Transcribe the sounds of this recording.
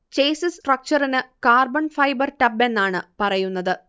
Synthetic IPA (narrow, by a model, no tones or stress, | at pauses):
t͡ɕejsɨsʈrɐk̚t͡ɕɐrinɨkaːrbɐɳfɐjbɐrʈɐbe̞nːaːɳɨpɐrɐjunːɐðɨ